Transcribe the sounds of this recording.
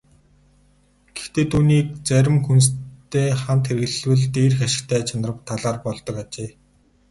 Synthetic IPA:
ɡ̥e̥xt̪eːt̪ʰuːniːk̚t͡sæɾʲɪ̆mxunst̪eːχamt̪xerɣɘ̆ɮwɘ̆ɮt̪eːrxaʃɪ̆kt̪ʰæːt͡ɕʰanə̆rə̆p̚t̪ʰːaɮaːrpɔɮt̪ɞ̆kat͡ɕeː

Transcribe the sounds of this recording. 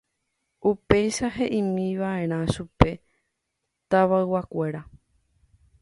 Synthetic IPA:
upe̞jʃaɦe̞ʔĩmĩʋaẽ̞ɾ̃ãʃupe̞ | t̪aʋaɨwakʷe̞ɾa

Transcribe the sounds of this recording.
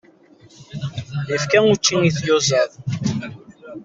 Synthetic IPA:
jəfkænut͡ʃːiniθjʊzəð

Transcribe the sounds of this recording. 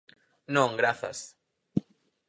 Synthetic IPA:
nõŋɡɾaθa̰s

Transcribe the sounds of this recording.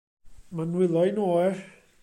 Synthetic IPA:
manwɪlˠɔjnoːjr

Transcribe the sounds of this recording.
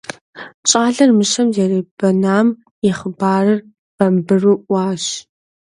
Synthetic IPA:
t͡ʃʼaːɮɐrmɨʃɐmzɛriːbɐnaːm | jɛχəbaːrɨr | b̥ɐmbɨruːʔʷaːɕ

